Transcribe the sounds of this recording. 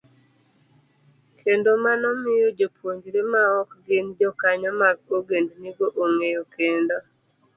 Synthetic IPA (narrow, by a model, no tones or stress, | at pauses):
kʰendomanɔmɪjod͡ʒopʰwoɲd͡ʒɾemaɔkɡend͡ʒɔkaɲɔmaɡoɡendniɡoʔoŋejokʰendɔ